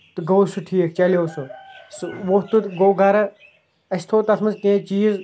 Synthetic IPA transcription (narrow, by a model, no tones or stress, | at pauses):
t̪ɨɡɐwsuʈʰiːk̚t͡ʃɐlowsusʋoːt̪ut̪ɡoːɡʱɐɾɐ | ɐst̪ʰoːt̪ɐsmɐnzkẽːt͡ʃiːz